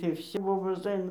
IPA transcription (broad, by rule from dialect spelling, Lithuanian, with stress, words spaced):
tɐɪ ˈboːboːs ˈɐɪnɐ